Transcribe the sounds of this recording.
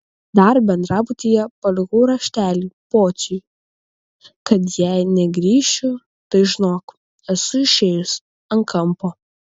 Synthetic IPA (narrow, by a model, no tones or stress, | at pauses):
d̪ɐɾbʲɛnd̪ɾɑːbʊt̪ʲijɛpɐlʲɪɣuːɾɐʃʲt̪ʲæːlʲiːpoːt͡ʃ̪ʲʊj | kɐt̪jæɪnʲɛɡɾʲiːʃʲʊ | t̪ɐɪʒʲɪnoːk | ɛsʊɪʃʲeːjʊs | ɐŋkʰɐmpo